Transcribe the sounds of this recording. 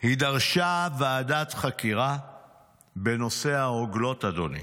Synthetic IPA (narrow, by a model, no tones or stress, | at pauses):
hidaʁʃaveːdat̪χakiʁa | be̞no̞se̞haoɡlo̞tad̪onḭ